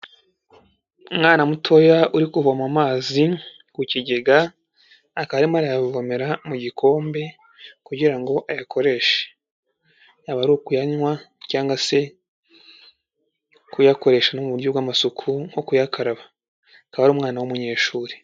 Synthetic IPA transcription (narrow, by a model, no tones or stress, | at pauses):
umŋaːnamutʰo̞jauɾikuvomamaːzi | kuciɟe̞ɡaː | kaβaɾimaɾajavome̞ɾamuɟikʰo̞ːmbe̞ | kuɟiɾaŋɡo̞ʔajakʰo̞ɾe̞ʃe̥ | aβaɾukujaɲwacaːŋɡwase̞ | kujako̞ɾe̞ʃanomuβuɾjobɡwamasukʰuŋ̥o̞kujakʰaɾaβa | kaβaɾuːmŋaːnawumuɲe̞ːʃuːɾe̥